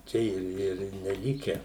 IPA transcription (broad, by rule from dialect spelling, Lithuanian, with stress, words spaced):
ˈt͡ʃʲɛ ɪr ɪr nʲɛˈlʲɪkʲɛ